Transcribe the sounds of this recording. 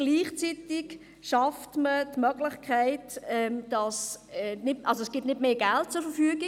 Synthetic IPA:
ɡ̥liːχt͡sitɪk | ʃɑftmətmœɡlɪχkʰaɪtɛmd̥ɑsɛnɪtʔɑlsoɛsɡ̥ɪtnɪdmeːɡælt̚t͡sʊɾfəfyːɡɪ

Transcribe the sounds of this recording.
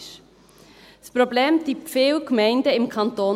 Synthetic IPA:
ʃ | spɾobleːmdifeːwkmɛɪndəɪmkʰɑnt̪oː

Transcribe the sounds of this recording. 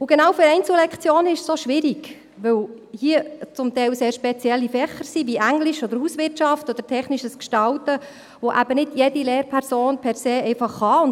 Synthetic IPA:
ʊɡ̥enɑːwfɪɾɛɪnt͡sulɛkχt͡sjoːnɪʃsoʃʋɪɾiɡ | ʋɵw | hiət͡sʊmtɛɪlseːɾʃpɛt͡sjɛlːifɛχəɾsiʋiʔæŋliʃɔd̪əɾhuːsʋɪɾtt͡ʃɑftɔd̪əɾtʰɛχniʃəskʃtɑltə | ʋoʔæbənɪdjedileːɾpʰɛɾsoːnpʰɛɾseːɛɪfɑχːɑʊn

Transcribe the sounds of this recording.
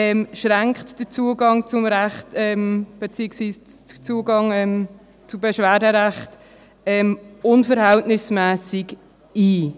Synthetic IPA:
ɛmʃʁæŋktd̥ət͡suəɡɑŋt͡sʊmʁæχtɛmb̥et͡siːəksʋiːst͡suəɡɑŋɛːm | t͡sʊmbəʃʋæːdəʁæχt | ɛmʊnfəɾhæltnɪsmɛːsɪɡ | iː

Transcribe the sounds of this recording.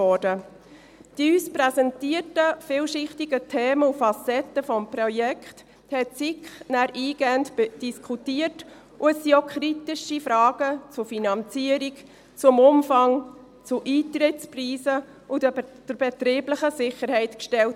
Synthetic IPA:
ɔːdə | d̥iyːspɾɛsɛntiːətəfɪːlʃɪχtiɡətʰɛːməufɑsɛtːəfɔmprɔjɛkχt | hɛtsikχnæɾʔiːɡ̥ɛəntd̥iskʰutiət | ʊɛsːiokʰχɾitɪʃifɾɑːɡ̥ət͡sʊɾfinɑnt͡siəɾik | t͡sʊmʊmfɑŋ | t͡sʊʔiːtɾɪtt͡spriːsə | ʔʊdd̥əɾbɛtɾiːbləχəsɪχəɾhɛɪtkʃtɛlt

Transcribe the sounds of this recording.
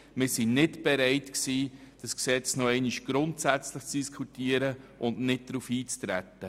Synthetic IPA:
mɪːɾsinnɪtb̥ɛɾɛɪtksiːd̥əsksɛt͡snoɛɪniʃɡ̥ɾʊntsæt͡sləχt͡sd̥iskʰutiəɾəʔʊndnɪt̚d̥ɾuːfiːt͡st̪ɾæ̰tːə

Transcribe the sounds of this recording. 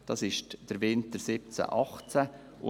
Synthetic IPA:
d̥ɑːsɪʃd̥əɾʋɪntəɾsɪp̚t͡sæ̰ʔɑχt͡sæ | ʔʊ

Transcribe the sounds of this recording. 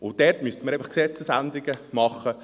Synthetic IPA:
ʊndɛɾtmyəstəməɾeɪfɑχksɛt͡səsænd̪ɪɡəmɑχːə

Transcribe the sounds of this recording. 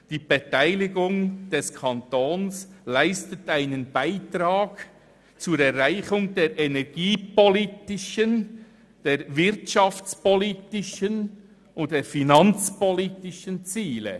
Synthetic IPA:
d̥iːb̥etaɪlɪɡʊŋd̥ɛskʰɑntoːnslaɪstətaɪnənbaɪtraːɡ̥ | t͡suːɾɛrːaɪχʊŋdeːɾʔenɛʁɡiːpolitɪʃən | d̥eːɾvɪɾtʃɑft͡spolitɪʃən | ʊntd̥eːɾfinɑnt͡spolitɪʃənt͡siːlə̰

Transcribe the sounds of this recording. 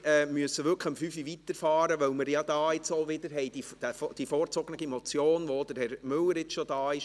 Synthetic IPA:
ɛːmyəsəʋʏɾkʰəɪmfyfivit̪əɾfɑːɾəʋœwməɾjɑdɑːɪt͡soʋɪdəɾɦɛɪd̥ifd̥æfd̥ifoːɾt͡sɔɡnəɡimot͡sjoːnʋod̥əɾhɛɾmʏlːəɾɪt͡sʃɔdɑːɪʃ

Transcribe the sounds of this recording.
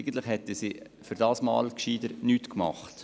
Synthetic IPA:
ɡən̩t̪lɪχhɛt̪əsi | fyɾdɑːsmɑ̰ːlkʃiːdəɾnyːtkmɑ̰χt

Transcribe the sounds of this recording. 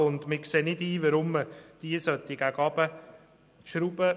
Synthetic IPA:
ʊnd̪mɪkseːnɪdiːʋəɾʊmːəd̥iəsœt̪ːiɡ̥aɡɑb̥ə | ʃɾub̥ə

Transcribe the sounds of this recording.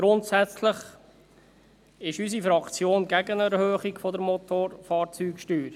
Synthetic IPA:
ɡ̥ɾʊntsɛt͡sləχ | ɪʃys̬ifɾɑkt͡sjoːnɡæɡənɛɾhøːχiɡfɔd̪əɾmot̪ʰoːɾfɑːɾt͡syːkʃtyːɾ

